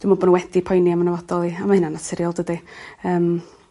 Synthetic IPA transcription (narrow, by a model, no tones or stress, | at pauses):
d̥wimɔbɔnnwɛd̥ipʰɔjniamanəvɔdɔlˠiamahɪnanasɪɾjɔlˠdədiəːm